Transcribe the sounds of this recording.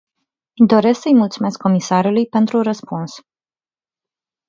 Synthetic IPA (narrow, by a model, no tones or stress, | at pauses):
d̪o̞ɾe̞sksəjmult̪sume̞skʰːo̞misaɾulujpe̞nt̪ɾuɾəspuns